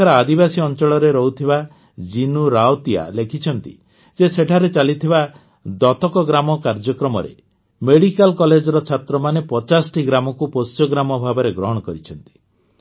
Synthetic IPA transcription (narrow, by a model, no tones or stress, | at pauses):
aɾɔad̪ibasiɔnt͡ʃɔɭɔɾeɾɔɦut̪ʰiba | d͡ʒinuɾawt̪ia̰lekʰit͡ʃʰɔnt̪ḭ | d͡ʒeseʈʰaɾet͡ʃalit̪ʰiba | d̪ɔt̪ɔkɔɡɾamɔkaɾd͡ʒɔkɾɔmɔɾḛ | meɽikalkɔled͡ʒɔɾɔt͡ʃʰat̪ɾɔmanepɔt͡ʃasʈiɡɾamɔkupost͡ʃɔɡɾamɔbʱabɔɾeɡɾɔɦɔɽ̃ɔkɔɾit͡ʃʰɔnt̪i̥